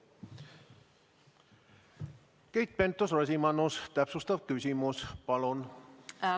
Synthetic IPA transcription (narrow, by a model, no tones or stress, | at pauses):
kejt̪̚pe̞nt̪ːˑosrɑsʲimɑnust̪æpsust̪ɑvkysʲimuspɑlon